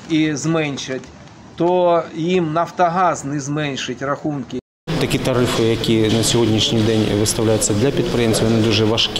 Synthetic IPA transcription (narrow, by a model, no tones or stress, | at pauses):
izmɛnʲʃɪtʲ | t̪ɔjimnɐwt̪ɐɦaznɪzmɛnʲʃɪtʲrɐxunkɪ | t̪ɐkʲit̪ɐɾɪfɨjɐkʲijɛnɐsʲɔɦodʲnʲiʂnʲijd̪ɛnʲʋɨst̪ɐwlʲajʊt̪sːɐd̪lʲɐpʲit̪̚pɾɪjemsʲjɐnɪd̪uʐɛʋɐʂkʲ